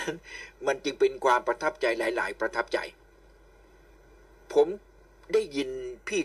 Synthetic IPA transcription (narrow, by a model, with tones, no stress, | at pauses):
nma˧nt͡ɕɯ˧ŋpe˧nkʰwaː˧mpɾa˧t̪ʰa˦˥p̚t͡ɕa˧jlaː˩˦jla̰ː˩˦jpɾa˧t̪ʰa˦˥˩p̚t͡ɕa̰˧j | pʰo˩˦m | da˥˩jːi˧npʰiː˥˩